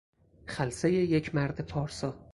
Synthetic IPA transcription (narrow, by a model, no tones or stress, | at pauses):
χælsejejecʰmæɾd̪ɪpʰɒːɾsɒ